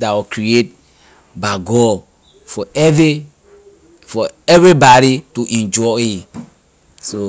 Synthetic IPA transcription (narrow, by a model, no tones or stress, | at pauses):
dawikɹiet̚ | baɡɔ | fɔvi | fɔɛvɹibaɾituʔɛ̃nd͡ʒɔi | so